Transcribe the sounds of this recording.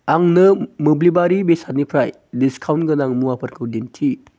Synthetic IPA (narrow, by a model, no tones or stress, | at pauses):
aŋnɯmɯblibaɾibesat̚nipʰɾaj | diskʰawntɡɯnaŋmuapʰɐɾkʰɯwdintʰi